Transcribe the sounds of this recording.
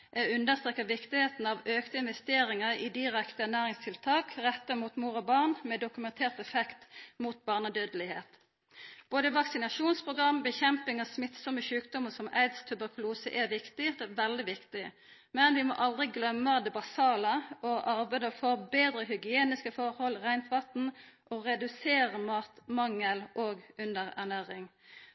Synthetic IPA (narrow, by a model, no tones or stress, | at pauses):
ʔɛʉnd̪əʁst̪ʁeːkːəʋɪkt̪ɪheːt̪n̩ɑʋøːkt̪əɪnʋɛst̪eːɾɪŋəɾɪd̪ɪʁɛkt̪əænæːʁɪŋst̪ʰɪlt̪ʰɑːkʁɛt̪ːəmuːt̪muːɾɔbɑʁnmɛd̪ʊkʉmɛnt̪ʰeːʁt̪ɛfɛkt̪muːt̪̚bɑːʁnəd̪øːd̪əlɪhḛːt̪ | b̥oːd̪əʋɑksɪnɑʂuːnspʰʁʊɡʁɑmbɛçɛmpɪŋɑsmɪt̪sɔməʃʉːkd̪ɔmːəsɔmæ̰ɪd̪st̪ʰʉbəʁkʰʊluːsəʔɛʋɪkt̪ɪd̪ɛʋɛld̪ɪʋɪkt̪ɪ | mɛnʋɪmɔ̰ʔɑld̪ʁɪɡlœmːəd̪ɛbɑsɑːləɔʔɑʁbæɪd̪əfɔʁbeːd̪ɾəhʏɡɪeːnɪskəfɔʁhɔlʁæɪnt̪ʰʋɑt̪n̩ʔoʁɛd̪ʉseːʁəmɑːt̪mɑŋːəlʔoːɡʉnd̪əʁæ̰ʁnæːʁɪŋ